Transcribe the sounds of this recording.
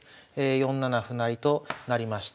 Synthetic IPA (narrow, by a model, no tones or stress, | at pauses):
ejõ̞nːanaɸɯ̟naɾʲit̪o̞naɾʲimaɕi̥t̪